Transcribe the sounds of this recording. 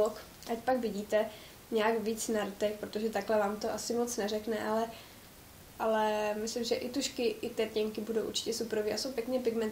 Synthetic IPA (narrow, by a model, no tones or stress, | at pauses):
ok | ʔacpakvɪɟiːt̪ɛ | ɲɛakviːt͡snaɾt̪ɛkpɾot̪oʒɛt̪aklɛvaːmt̪oʔasɪmot͡snɛrɛknɛʔalɛ | ʔalɛmɪslɪmʒɛʔɪt̪uʃkɪʔɪt̪ɛːcɛŋkɪbudowʔuɾt͡ʃɪ̥cɛsupɾoviːasowpjɛkɲɛpɪɡmɛnt̪